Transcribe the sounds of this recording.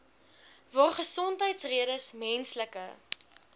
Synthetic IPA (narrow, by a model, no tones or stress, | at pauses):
vɑːrχəsɔntɦəjtsriəɾəsmɛnsləkə